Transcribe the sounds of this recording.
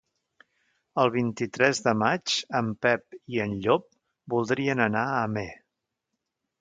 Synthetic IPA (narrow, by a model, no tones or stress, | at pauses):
əlˠβ̞int̪it̪ɾɛzðəmad͡ʒəmpɛp̚iənʎop̚ | bulˠd̪ɾiənənaəme